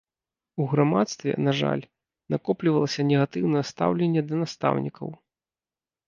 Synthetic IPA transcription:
uɣɾamat̪st̪vʲɛ̰naʐa̰lʲ | nakɔplʲivɐlˠɐsʲɐnʲɛɣat̪ɨwnɐjɛst̪a̰wlʲenʲːɛd̪ɐnast̪a̰wnʲikɐ̰w

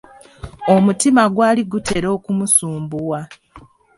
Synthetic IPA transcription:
o̞mutimaɡwaːliɡute̞ɾo̞ːkumusuːmbuwa

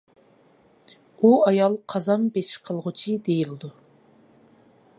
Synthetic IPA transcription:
uɑjɑlˠqʰɑzɑmbeʃqʰəlˠʁʊt͡ʃʰid̪ejilɪd̪u

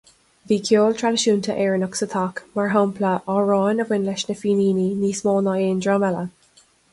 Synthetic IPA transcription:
viːkʰjoːltʰɹaləʃuːntʰəʔɛːɹənɔksət̪ʰɑkmaɹɦɔmpʰləʔɔːɹɔːnəvwɪnlɛʃnəfiːniːniniːsmoːnɑeːndɹaːmɛlə

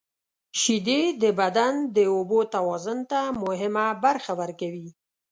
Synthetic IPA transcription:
ʃid̪ed̪əbad̪and̪əobot̪awɑzʊnt̪amʊɦɪmabaɾxawəɾkawi

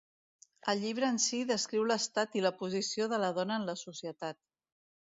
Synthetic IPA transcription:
əlˠʎiβ̞ɾəːnsiðəskɾiwləst̪at̪iləpuzisioðələðɔnəːnləsusiət̪at̪̚

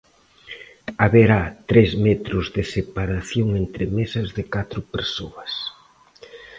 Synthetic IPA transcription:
aβeɾat̪ɾezmɛt̪ɾʊzðɪsepaɾaθjoŋent̪ɾɪmesɐzðɪkat̪ɾʊpeɾsoɐs

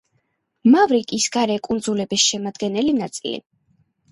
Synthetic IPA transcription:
mavɾikʼisɡaɾɛkʼund̪zulɛbisʃɛmad̪ɡɛnɛlinat̪sʼḭlḭ

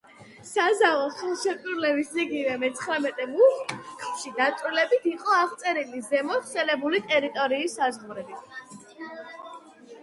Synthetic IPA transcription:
sazavɔχɛlˠʃɛtʼuɾlɛbisiɡivɛmɛt̪sʰχɾamɛt̪ʼɛmuχχʃid̪asʼilɛbit̪ʰiqʼɔaʁt̪sʼɛɾilizɛmɔsɛlɛbulit̪ʼɛɾit̪ʼɔɾiːsːazʁuɾɛbi

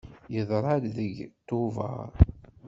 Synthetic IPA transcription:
jəðˤɾˤɑɾðəɡt̪ʊvɑ̰ɾˤ

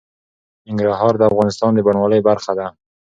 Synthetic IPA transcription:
ɪŋɡɾaɦɑɾd̪əafɣɑnɪst̪ɑnd̪əbaɳwɑləjbaɾxad̪a

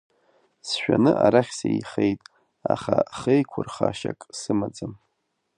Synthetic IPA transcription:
sʃᶣanɨʔaɾaχʲsaiχejtʼ | aχaχejkʷʰʊrχaʃakʼsɨmad͡zʼam

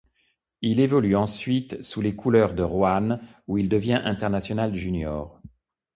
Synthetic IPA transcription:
ilevɔlyɑ̃sɥit̪sulekʰulœʁd̪əʁwanuild̪əvjɛ̃ʔɛ̃t̪ɛʁnasjɔnalʒynjɔːʁ

